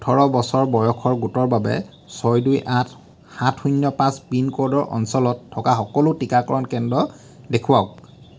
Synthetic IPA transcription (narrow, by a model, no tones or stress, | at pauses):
utʰɔɹɔbɔsɔɹbɔjɔkʰɔɹɡutɔɹbabɛ̰ | sɔjdujʔat | xatʰunːɔpãsbinkɔɹdɔɹʔɔ̰nsɔlɔtʰːɔkaxɔkɔlʊtikakɔɹɔnkɛndɔ | dekʰʊwaʊk̚